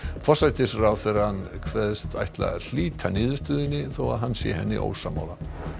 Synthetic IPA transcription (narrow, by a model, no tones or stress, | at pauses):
fɔ̥sajt̪ɪsrawθvɛɾhankʰvɛðst̪a̰jht̪la̰l̥iːt̪ʰanɪːðʏɾ̥st̪ʏːðɪnːɪθowaðɦanːsjɛ̰hɛ̰nːɪ̰ʔo̰ːwsa̰ma̰wla